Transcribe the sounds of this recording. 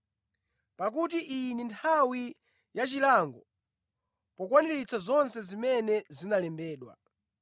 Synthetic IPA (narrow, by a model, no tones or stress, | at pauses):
pak̬ut̬iʔinintʰawi | jat͡ʃilaŋɡɔ | pɔkwanilit͡sʰazɔnsɛzimɛnɛzinalɛmbɛːɗwa̰